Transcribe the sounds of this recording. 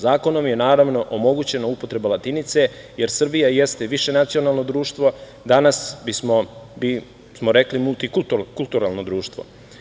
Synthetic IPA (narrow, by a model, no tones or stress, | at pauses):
zaːko̞no̞mje̞naːɾaʋno̞ʔomo̞ɡut͡ɕe̞naupot̪ɾe̞balat̪init̪se̞ | je̞ɾsr̩bijajest̪e̞ʋiʃe̞nat̪sio̞naːlˠno̞d̪ɾuːʃt̪ʋo̞ | d̪anasbismobi | smoɾeklimulˠt̪ikult̪ukulˠt̪uɾalˠno̞d̪ɾuːʃt̪ʋo̰